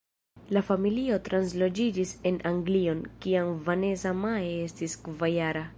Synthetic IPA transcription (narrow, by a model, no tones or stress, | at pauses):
lafamilio̞tɾans̬lo̞d͡ʒid͡ʒise̞nʔaŋɡlio̞nkiaŋvane̞zamaee̞stiskvajaɾa